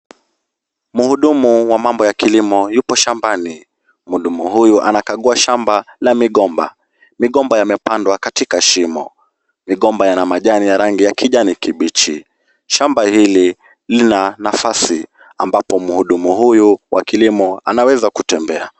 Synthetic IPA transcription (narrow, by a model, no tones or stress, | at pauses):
muhuɗumuwamambɔjakilimɔjupɔʃambani | muɗumuɦujuʔanakaɠuaʃambalamiɠɔmba̰ | miɠɔmbajamɛpandwakatikaʃimɔ̰ | miɠɔmbajanamaʄanijaɾaŋɡijakiʄanikiɓit͡ʃi | ʃambahili | linanafasi | ambapɔmuhuɗumuhujuwakilimɔa̰nawɛzakutɛmbɛa